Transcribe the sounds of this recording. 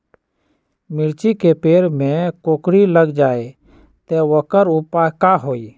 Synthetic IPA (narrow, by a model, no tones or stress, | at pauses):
mɪlt͡ʃikepeːɾmẽkoːkɾiləɡd͡ʒaːe | t̪eʋəkəɾupakaɦoːiː